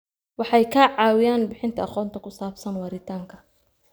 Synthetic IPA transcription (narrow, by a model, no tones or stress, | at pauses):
wɑħɑjkʰaːʕɑːwɪjaːnbɪħɪnt̪ʰɐɑχɔːnt̪ʰɐkʰʊsaːbsɐnwɐɾɪt̪ʰaːŋkʰɐ̥